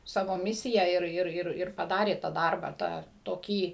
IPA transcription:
ˈsɑːʋoː ˈmʲɪsʲɪjɛ ɪr ˈɪr ˈɪr ˈɪr pɐˈdɑːrʲeː tɑː ˈdɐrbɑː ˈtɑː toːˈkʲiː

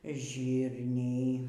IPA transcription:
ˈʒʲiːrʲnʲɛɪ

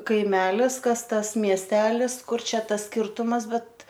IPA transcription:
kɐɪˈmʲæːlʲɪs ˈkɐs ˈtɐs mʲiɛsʲˈtʲæːlʲɪs ˈkʊr ˈt͡ʃʲɛ ˈtɐs sʲkʲɪrtʊmɐs ˈbʲɛt

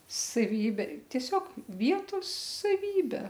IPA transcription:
sɐˈʋʲiːbʲeː tʲiɛˈsʲoːk ˈʋʲiɛtoːs sɐˈʋʲiːbʲɛ

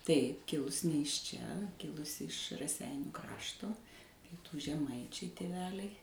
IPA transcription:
tɐɪ ˈkʲɪlˠʊsʲ nʲɛ ɪʃ t͡ʃʲɛ ˈkʲɪlˠʊsʲɪ ɪʃ rɐˈsʲɛɪnʲuː ˈkrɑːʃtoː ˈpʲiɛtuː ʒʲɛˈmɐɪt͡ʃʲɛɪ tʲeːˈʋʲæːlʲɛɪ

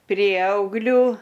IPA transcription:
ˈpʲrʲiɛɐʊɡlʲuː

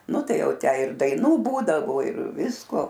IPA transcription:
nʊ ˈtɐɪ ˈjɛʊ ˈtʲæː ɪr dɐɪˈnuː ˈbuːdɐʋoː ɪr ˈʋʲɪskoː

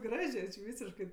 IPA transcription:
ˈɡrɑːʒʲeː t͡ʃʲɪ ˈʋʲiːsʲɪʃkɜ

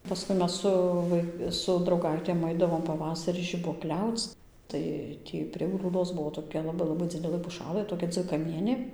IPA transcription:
pɐˈskʊɪ ˈmʲɛs ˈsʊ ʋɐɪ sʊ drɐʊˈɡɐɪtʲeːm ˈɐɪdɐʋoːm pɐˈʋɑːsɐrʲiː ʒʲɪbuɔˈklʲɛʊt͡s ˈtɐɪ ˈtʲiː pʲrʲiɛ ɡruːˈdoːs ˈbuɔ toːˈkʲɛ lˠɐˈbɐɪ lˠɐˈbɐɪ ˈd͡zʲɪdʲɛlˠɘ pʊˈʃɑːlˠɘ toːˈkʲɛ d͡zʲʋʲɪkɐˈmʲiɛnʲeː

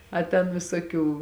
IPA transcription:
ɐ tʲɛn ʋʲɪsoːˈkʲuː

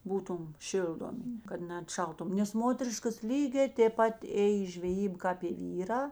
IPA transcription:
ˈbuːtʊm ˈʃʲɪlˠdoːmʲɪ kɐt nʲɛɐtˈʃɐlˠtʊm nʲɛs ˈmoːtʲɛrʲɪʃkɐs ˈlʲiːɡʲɛː tʲeːp ˈpɐt ˈeːj ɪ ʒʲʋʲɛˈjiːbɐ kɑːp ɪ ˈʋʲiːrɑː

